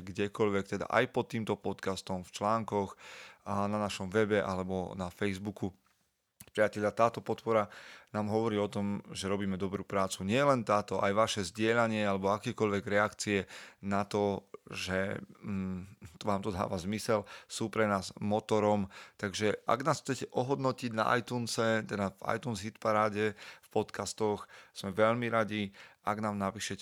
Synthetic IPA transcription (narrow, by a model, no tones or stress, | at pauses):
ɡɟɛkɔʎʋɛkt̪ɛd̪a̰ʔa̰jpɔt̪ːiːmt̪ɔpɔt̪kast̪ɔmft͡ʃlaːŋkɔx | nanaʃɔmʋɛbɛʔa̰lɛbɔnafɛjzbuku | pɾɪacɛʎat̪aːt̪ɔpɔt̪pɔɾanaːmɦɔʋɔɾiːɔt̪ɔmʒɛɾɔbiːmɛd̪ɔbɾuːpɾaːt͡suɲɪɛjɛlɛnt̪aːt̪ɔʔa̰jʋaʃɛzɟɪɛʎaɲɪɛalɛbɔakɛːkɔʎʋɛɡɾɛakt͡siɛnat̪ɔʒɛ | t̪ʋaːmt̪ɔd̪a̰ːʋazmisɛlsuːpɾɛnaːzmɔt̪ɔɾɔmt̪aɡʒɛʔa̰ɡnaːsxt͡sɛcɛʔɔɦɔd̪nɔciɟna̰ʔa̰jt̪uːnsɛt̪ɛd̪ava̰jt̪uːnzɦit̪paɾaːɟɛfpɔt̪kast̪ɔxz̥mɛʋɛʎmiɾaɟiaɡnaːmnapiːʃɛcɛ